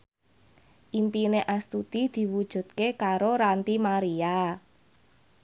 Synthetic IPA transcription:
ʔimpineʔast̪ut̪id̪̥i̤wud̥ʒ̥ṳd̪̥̚kekaɾoɾant̪imaɾia

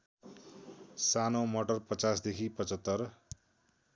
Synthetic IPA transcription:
sanowmʌʈʌrpʌt͡sasd̪ekʰipʌt͡sʌt̪ːʌr

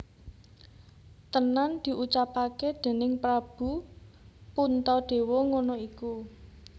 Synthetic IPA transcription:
t̪ənand̪̥i̤ʔut͡ʃapaked̪̥e̤nɪŋpɾab̥ṳ | punt̪ɔɖ̪̥e̤wɔŋonoiku

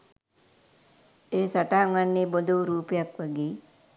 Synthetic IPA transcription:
eːsaʈaːŋʋanːiːbod̪uɾuːpejakʋaɡeː

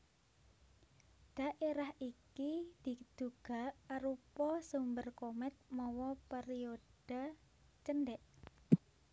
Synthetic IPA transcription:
d̪̥a̤ʔeɾahikid̪̥i̤d̪̥uɡ̥a̤aɾupɔsumbərkomɛt̪̚mɔwɔpeɾiod̥a | t͡ʃənɖɛʔ

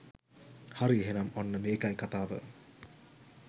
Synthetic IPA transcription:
haɾieɦenɐmonːəmeːkajkat̪aːʋə̰

